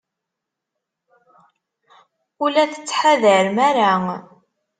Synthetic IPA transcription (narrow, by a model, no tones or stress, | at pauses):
ulæθə̥t͡sːħaðəɾmæɾa